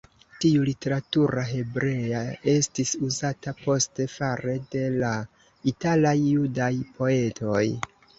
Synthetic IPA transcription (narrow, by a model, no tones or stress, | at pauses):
tiulite̞ɾatuɾaɦe̞bɾe̞ae̞stisuzatapo̞ste̞faɾe̞de̞la | italajːudajpo̞e̞tʰo̞j